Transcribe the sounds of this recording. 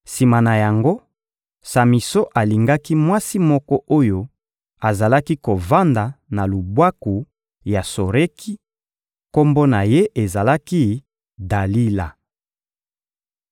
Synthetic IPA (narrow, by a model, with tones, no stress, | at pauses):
si˨ma˨na˨ja˨ŋɡo˦ | sa˨mi˨so˦ʔa˨li˨ŋɡa˦ki˦mwa˦si˦mɔ˦kɔ˦ʔo˦jo˦ | a˨za˨la˦ki˦ko˨va˦nda˨na˨lu˨bwa˦ku˨ | ja˨so˨ʁe˦ki˦ | ko˦mbo˦na˨je˦ʔe˨za˨la˦ki˦ | da˨li˦la˨